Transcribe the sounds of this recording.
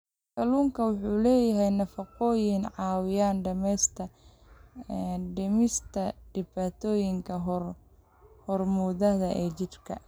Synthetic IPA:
kɐluːŋkʰɐwʊħuːlɛːjɐɦɛjnɐfɑqɔːjɪnʕɑːwɪjaːnɖɐmɛjst̪ʰɐ | ɖɪmɪst̪ʰɐɖɪβaːt̪ʰɔːjɪŋkʰɐɦr | hɔrmuːðɐðɐʔɛːt͡ʃɪrkʰɐ̰

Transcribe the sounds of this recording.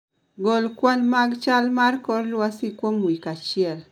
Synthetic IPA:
ɡolkwalmaɡt͡ʃalmarkɔrlwasikwomwikat͡ʃɪɛl

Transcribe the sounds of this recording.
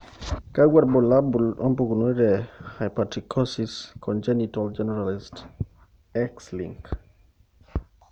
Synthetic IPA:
kawʷaɾbolaompukunuiɾehajpatikʰosiskʰond͡ʒenit̪ald͡ʒeneɾalist | ekslḭŋk

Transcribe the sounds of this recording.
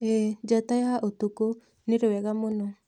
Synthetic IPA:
ɛd͡ʒatajaaʔot̪uko | neɾewɛɣamonɔ

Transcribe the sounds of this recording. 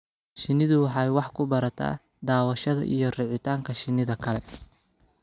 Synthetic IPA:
ʃɪnːɪðʊwɑħɑːjwɑħkʰʊbɐɾɐt̪ʰa̰ː | d̪aːwɐʃɐðɐ̰ʔḭjɞrɪʕɪt̪ʰaːŋkʰɐʃɪnːɪðɐkʰɐlɛ

